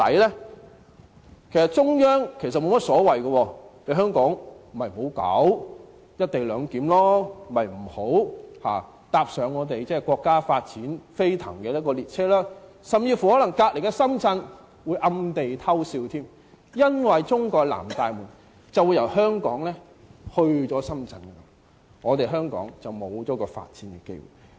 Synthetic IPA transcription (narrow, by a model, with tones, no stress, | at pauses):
t̪ɐ̰˨˥jlɛː˥ | kʰe˨˩sɐ˨t̚t͡ʃʊ˥ŋjœː˥ŋkʰe˨˩sɐ˨t̚mo˨˧wmɐ˥t̚sɔː˨˥wɐ˨˩jɡɐ˧wɔː˧le˨˧˥ɦœː˥ŋkɔː˨˥ŋm̩˨˩hɐ˨jmo˨˧wkɐ̰˨˥w | jɐ˥t̚t̪e˨jlœː˨˧ŋkiː˨˥mlɔː˥˨˩mɐ˨jm̩˨˩ho˨˥wha̰ː˨˩ | t̪aː˧p̚sœː˨˧ŋːɔː˨˧t̪̬e˨jt͡sɛː˥˨kʷɔː˧kːaː˥faː˧t̚t͡siː˨˥nfe˥jt̪ʰɐ̰˨˩ŋkɛː˧jɐ˥t̚kɔː˧liː˨˩t̚t͡sʰɛː˥laː˥ | sɐ˨˩mt͡siː˧fu˨˩hɔː˨˥lɐ˨˩ŋkaː˧k̚le˨˩jkɛ˧sɐ˥mt͡sɐ˧n | wu˨˧jʔɐ˧mt̪e˨jt̪ʰɐ˥wsiː˧wt̪ʰiː˥m | jɐ˥nwɐ˨jt͡sʊ˥ŋkɔː˧k̚la̰ː˨˩mt̪aː˨jmuː˨˩n | t͡sɐ˨wu˨˧jɐ˨˩whœː˥ŋkɔ̰ː˨˥ŋlɛː˥ | hɵ˧ɥt͡sɔː˨˥sɐ˥mt͡sɐ˧nkɐ˧kː | ŋɔː˨˧t̪e˨jɦœː˥ŋkɔ̰ː˨˥ŋt͡sɐ˨wmo˨˧wt͡sɔː˨˥kɔː˧fa̰ː˧t̚t͡siː˨˥nkɛ˧kḛ˥jwṵ˨˩j